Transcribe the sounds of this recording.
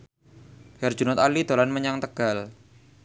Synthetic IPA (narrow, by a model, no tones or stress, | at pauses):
ɡɛrd͡ʒunʊt̪alid̪olanməɲaŋt̪əɡ̥al